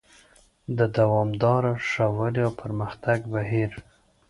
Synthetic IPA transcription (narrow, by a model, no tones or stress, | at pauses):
d̪əd̪awɑmd̪ɑɾaʂawəliawpʰəɾməxt̪aɡbaɦiɾ